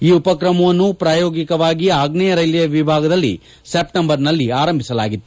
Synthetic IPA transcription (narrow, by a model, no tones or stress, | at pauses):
iːupɐkɾɐmɐʋɐnːupɾaːjoːɡikɐʋaːɡiaːɡnɛjɐɾɐjlɐjɐʋibʱaːɡɐd̪ɐlːḭ | sep̚ʈɐmbɐɾnɐlːiaːɾɐmbʱisɐla̰ːɡit̪ːu